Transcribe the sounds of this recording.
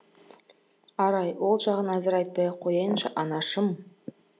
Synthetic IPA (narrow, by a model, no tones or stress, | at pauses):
ɑɾɑjwo̞lˠʒɑʁənæzɪɾɑjt̪̚pɑjɑqʰo̞jɑjənʃɑ̰ʔɑnɑʃəm